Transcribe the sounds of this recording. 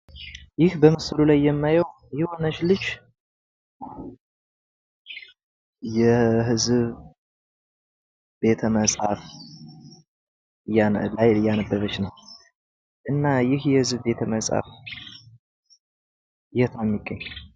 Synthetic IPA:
jɪhbəmɨsɨlulajːɛmːajəw | jɪho̞nət͡ʃlɨt͡ʃː | jɛɦɨzβ | b̥e̞t̪ʰəməsʼhaf | jlajɨjːanəbːəβət͡ʃnəw | ʔɨnːajɪhjɛhɨzbbe̞t̪ʰəməsʼa̰f | jɛt̪ʰamːiɡʼəɲː

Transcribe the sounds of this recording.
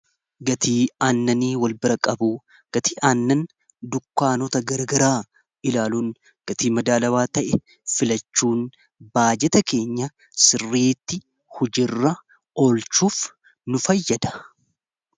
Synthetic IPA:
ɡɐt̪iːaːnːɐniːwɐlbɪɾɐkʼɐbuː | ɡ̥ɐt̪iːʔaːnːɐn | d̪ʊkːaːnɔt̪ɐɡɐɾɐɡɐɾaː | ɪlaːluːn | ɡ̥ɐt̪iːmɐd̪aːlɐwaːt̪ɐʔɛ | fɪlɐt͡ʃːuːn | baːd͡ʒɛt̪ɐke̞ːɲːɐ | sɪrːeːt̪ːɪ | hʊd͡ʒɪrːɐ | olt͡ʃuːf | nʊfɐjːɐd̪ɐ̥

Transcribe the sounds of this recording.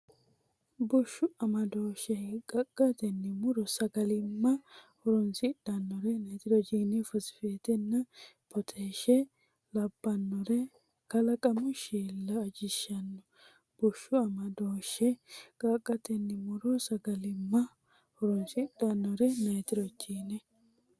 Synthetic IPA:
bʊʃːʊɐmɐd̪oːʃɛkʼɐkʼːɐt̪ɛnːɪmʊɾɔsɐɡɐlɪmːɐhɔɾɔnsɪɗɐnːɔɾɛnɐjt̪ɪɾɔd͡ʒiːnɛfɔsɪ̥feːt̪ɛnːɐpʰɔt̪ʰeːʃɛ | lɐbːɐnːɔɾɛ | kɐlɐkʼɐmʊʃiːlːɐːd͡ʒɪʃːɐnːɔ | b̥ɔʃːʊɐmɐd̪oːʃɛkʼɐkʼːɐt̪ɛnːɪmʊɾɔsɐɡɐlɪmːɐ | hɔɾɔnsɪɗɐnːɔɾɛnɐjt̪ɪɾɔd͡ʒiːnɛ

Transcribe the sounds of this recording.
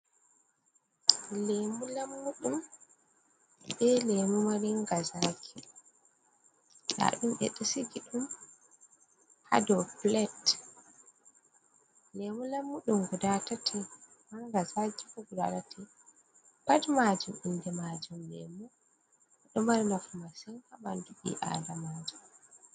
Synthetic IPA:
lemulamːuɗum | ɓɛlemumaɾiŋɡazaːkʰi | sa̰ɗumɓɛ̰ɗisiɡiɗum | ha̰dɔplɛt | lemulamːuɗumɡudatatʰɛ | maŋɡazakikɔɡuda̰tatʰɛ | b̥admad͡ʒumindɛmad͡ʒumlɛ̰mu | ɗumaɾinafumasɛŋkabandubḭʔa̰lamad͡ʒum

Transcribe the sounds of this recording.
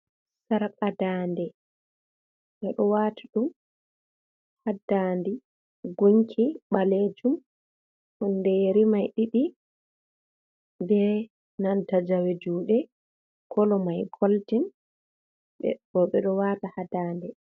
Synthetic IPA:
saɾkʼadaːndɛ | ɓɛɗɔwatʰaɗum | hadandi | ɡuɲkʰiɓaled͡ʒum | hundɛjeɾimajɗiɗi | bɛ | nantad͡ʒawed͡ʒuːɗɛ | kʰɔlɔmajɡʰoltin | ɓɛbɔɓɛɗɔwaːtahadaːndɛ

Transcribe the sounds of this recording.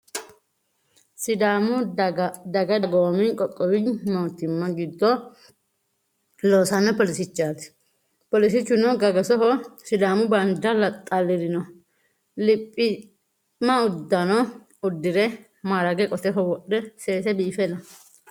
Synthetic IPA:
sɪd̪amʊ | d̪ɐɡɐdɡoːmɪkʼɔkʼːɔwɪmoːt̪ːɪmːɐɡɪd̪ːɔ | loːsɐnɐpɔlɪsɪt͡ʃːaːt̪ɪ̥ | pɔlɪsɪt͡ʃːʊnɔɡɐɡɐsɔɦɔsɪd̪aːmʊbɐnd̪ɐlɐt̪ʼːalːɪɾɪnɔ | lɪpʼːɪ | mːɐʊd̪ːɐnɔ | ʊd̪ːɪɾɛ | maːɾɐɡɛkʼɔt̪ɛɦɔwɔɗɛse̞ːsɛbiːfɛnɐ

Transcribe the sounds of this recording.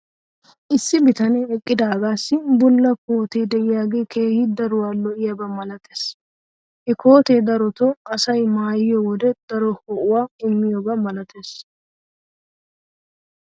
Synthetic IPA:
ʔɪsːɪbɪt̪ɐneɛkʼːɪd̪aːɡaːsːɪbʊlːɐkoːt̪eːd̪ɛʔɪjaːɡeːkʰeːhɪd̪ɐɾʊwaːlːɔɪjɐbɐmɐlɐt̪eːs | hɛko̞ːt̪eːd̪ɐɾɔt̪ɔɐsɐjmaːjɪjɔwɔd̪ɛd̪̥ɐɾɔhɔʔʊwaːɪmːɪjɔbɐmɐlɐt̪ʰeːs

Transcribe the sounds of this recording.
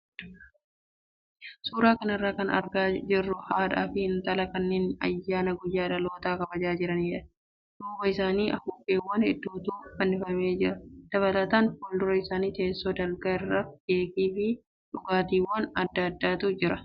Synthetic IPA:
suːɾaːkɐnɪrːaːkɐnɐ̰ɾɡaːd͡ʒɪrːʊhaːᶑa̰ːfɪhɪnt̪ɐlɐkɐnːeːnɐ̰jːaːnɐɡɔjːaːᶑɐlo̞ːt̪aːkɐbɐd͡ʒaːd͡ʒɪɾɐniːᶑɐ | d̪uːbɐɪsaːniːʔɐfuːfeːwːɐnɪ̰d̪ːuːt̪uːfɐnːɪfɐme̞ːd͡ʒɪɾɐd̪̥ɐβɐlɐt̪aːnfoːld̪ɔɾɐɪsaːniːt̪e̞ːsːoːd̪ɐlɡɐɪrːɐɡe̞ːkiːfɪ | ᶑʊɡaːt̪iːwːɐnɐd̪ːɐɐd̪ːaːt̪ʊd͡ʒɪɾɐ

